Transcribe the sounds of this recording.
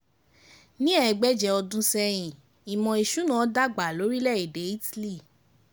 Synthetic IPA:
nĩ˦ɛ˦˧˨ɡ͡bɛ˦d͡ʒɛ˧ɔ˧dũ˦sɛ˧j̃ĩ˨ | i˨mɔ̃˧i˨ʃu˨˦nã˦da˦ɡ͡ba˨lo˨˦ɾi˦lɛ˦˨e˨de˨˦i˦ti˦li˦˨

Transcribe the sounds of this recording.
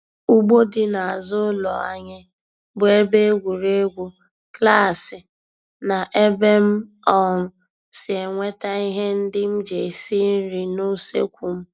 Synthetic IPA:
u˦ɡ͡bo˦dɪ˦na˨a˨zʊ˦lɔ˨a̰˦ɲɪ˦ | bʊ˨e˦be˦e˦ɡʷu˨ɾe˦ɡʷu˦ | kla˦˨sɪ˨ | na˨ʔe˦be˦m̩˦ | ɔ˦˨ŋʊ˨ | sɪ˨e˨ŋʷe˦ta˦i˦ɦe˦n̩˦dɪ˦m̩˦d͡ʒe˨si˦n̩˦ɾi˨no˦sḛ˦kʷu˨m̩˦

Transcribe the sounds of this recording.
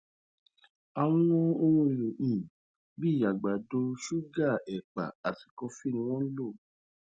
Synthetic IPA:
a˨w̃ɔ̃˦wɔ̃˦o˧wõ˧i˨ɾo˨ʔĩ˨ | bi˦˨ja˨ɡ͡ba˨do˧˦ʃu˦ɡa˦˨ɛ˨k͡pa̰˨a˨ti̥˨kɔ˧fi˦˨nĩ˧w̃ɔ̃˦lo˦˨

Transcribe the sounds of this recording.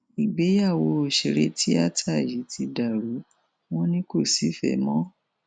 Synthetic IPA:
i˨ɡ͡be˨˦ja˦˨wo˧˦o˧ʃe˧ɾe˦tʰi˦a˦tʰa˦˨ji˨˦tʰi˧da˨ɾu˨˦ | w̃ɔ̃˦nĩ˦ko˦˨si˨˦fɛ̰˨˦mɔ̃˦

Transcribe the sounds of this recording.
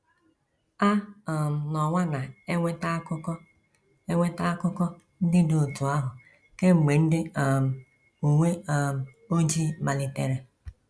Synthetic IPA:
a˦ɔ˨m̩˨nɔ˨ŋʷa˦na˨˦ | k | e˦ŋʷe˦ta˦kʊ˦kɔ˦ | n̩˦dɪ˦do˨o˨tu˨a˦ɦʊ˨ | ke˦ŋ͡m̩˨ɡ͡be˨n̩˦dɪ˦˨m̩˨ | u˨ŋʷe˦˨m̩˨ | o˦d͡ʒi˦ma˨lɪ˨te˦ɾe˦

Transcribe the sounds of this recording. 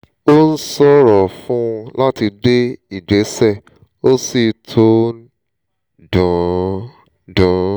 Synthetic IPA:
o˦n̩˦sɔ˦ɾɔ˨fũ˦˧la˦ti˧de˦i˦˨d͡ʒe˨˦sɛ˦˨ | o˦si˨tʰo˦ | dɔ̃˨ | dɔ̃˨

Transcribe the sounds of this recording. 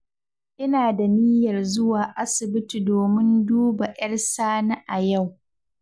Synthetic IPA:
ʔɪ˦naː˨da˨ni˦jɐ˨rzʊ˦waː˨ʔa˦sɪ˨bɪ˦tu˨doː˨mɪ˦nduː˦ba˨ʔɐ˦rsaː˦na˦ʔa˨ja˦˨w

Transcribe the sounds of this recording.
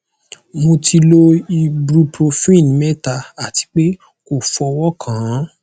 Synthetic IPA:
mo˧tʰi˧lo˦i˧bɾu˧pɾo˧fĩ˦˨n˨mɛ˦ta˧a˦˨ti̥˧˦k͡pe˦ | ko˦˨fɔ˧wɔ˦kʰã˨˦

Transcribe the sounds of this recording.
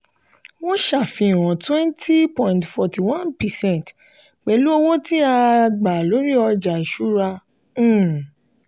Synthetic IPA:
w̃ɔ̃˦ʃa˦˨fĩ˧˨w̃ɔ̃˨twɛ̃˦nti˦pɔ̃˨ĩ˨ntfɔ˨ti˨wã˦npɛ˨sɛ̃˦˨nt | k͡pɛ˨˧lu˦o˧wo˦ti˦a˧ɡ͡ba˨lo˨˦ɾi˦ɔ˧d͡ʒa˨ʃu˦ɾã˧˦˨

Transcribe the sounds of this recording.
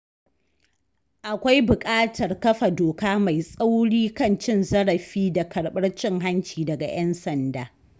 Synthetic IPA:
ʔa˨kʷa˦jbʊ˨kʼaː˦tʰɐ˨rkɐ˦ɸa˨doː˨kaː˦ma˨jsʼa˦wɽiː˦kɐ˦˨nt͡ʃɪ˦nzɐ˦ɽɐ˨ɸiː˦da˨kʰɐ˨ɽɓɐ˦rt͡ʃɪ˦ŋɦa˦nt͡ʃiː˨dɐ˨ɡa̰˨j̰ʔɛ˦nsɐ˨ndaː˨

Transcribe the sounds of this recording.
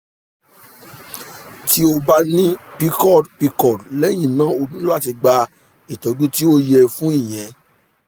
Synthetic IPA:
ti˦o˧ba˦nĩ˦pi˦kɔ˦˨dpi˧kɔ˦˨dlɛ˦j̃ĩ˦˨nã˨˦o˧dũ˦lo˦a˦˨ti˧ɡ͡ba˧ | i˨tɔ̃˨˦dũ˦ti˦o˦jɛ˧fũ˦ĩ˦˨j̃ɛ̃˨

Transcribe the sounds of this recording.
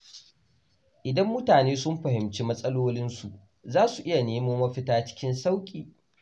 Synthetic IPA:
ʔɪ˨dɐ˦mːʊ˦taː˨neː˦sʊ˦mɸɐ˨ɦɪ˨mt͡ʃi˦mɐ˦sʼɐ˦loː˦lɪ˦nsu˨ʔ | zaː˦su˨ʔɪ˦ja˨neː˦moː˦mɐ˦ɸɪ˦taː˦t͡ʃɪ̥˦kʲɪ˦nsa˦wkʲʼiː˨

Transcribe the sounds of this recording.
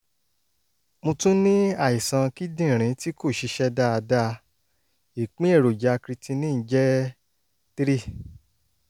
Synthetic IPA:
mũ˧tũ˦nĩ˦a˦˨i˨sã˧ki˦dĩ˦˨ɾ̃ĩ˨˦ti˦ko˦˨ʃi˧˦ʃɛ˦da˦a˧da˧ | i˨k͡pĩ˦e˦˨ɾo˨d͡ʒa˨˦kɾi˧tĩ˧nĩ˦n̩˦d͡ʒɛ˦ | tɾi˦˨

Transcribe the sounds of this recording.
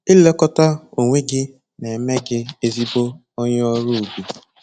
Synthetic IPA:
ɪ˦le˦kɔ˦ta˦o˨ŋʷe˦ɡɪ˦ | ne˨me˦ɡɪ˦e˦zi˦bo˦ | ɔ˦ɲ˦ɔ˦ɾu˦u˨bi˨

